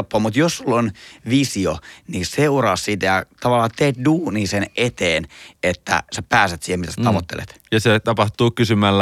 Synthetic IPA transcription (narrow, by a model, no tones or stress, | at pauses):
pːoːmut̪jossulːonʋisioniseurɑːssit̪æjɑt̪ɑʋɑlːɑːt̪eːt̪duːniːsenʔet̪eːnet̪ːæ̰sæpæːset̪siːhemit̪æsæt̪ɑʋot̪ːḛlḛt̪jɑset̪ɑpɑht̪uːkysymælːæ